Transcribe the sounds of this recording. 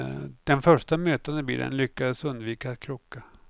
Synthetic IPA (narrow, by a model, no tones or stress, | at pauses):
d̪̥ɛnfœʂʈamøːt̪and̪əbḭːlə̰nlʏkːad̪əsɵnd̪viːkakʰɾʊkːa